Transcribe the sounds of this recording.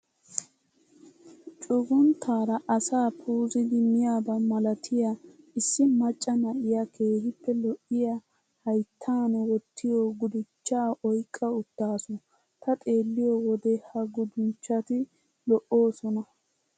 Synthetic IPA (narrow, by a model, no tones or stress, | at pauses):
t͡ʃʼʊɡʊnt̪ʰːaːɾɐʔɐsaːpʰuːzɪd̪ɪmɪjaːbɐmɐlɐt̪ʰɪja | ɪsːɪmɐt͡ʃʼːɐnɐʔɪjakʰe̞ːhɪpːɛlɔʔɪja | hɐjt̪ʰːaːnɛwɔt̪ːɪjoɡʊd̪ɪt͡ʃːaːɔjkʼːɐʊt̪ːaːsɔ | t̪ɐt̪ʼe̞ːlːɪjɔwɔd̪ɛhɐɡʊd̪ʊnt͡ʃːɐt̪ɪ | lɔʔo̞ːsɔnɐ